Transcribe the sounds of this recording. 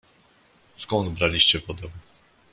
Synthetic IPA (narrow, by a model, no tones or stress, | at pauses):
skɔnd̪bɾalʲiɕt͡ɕɛvɔd̪ɛw̃